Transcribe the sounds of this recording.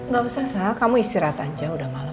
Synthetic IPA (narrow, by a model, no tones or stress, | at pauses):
ŋɡausahsakamuist̪iɾat̪aɲd͡ʒaudahmala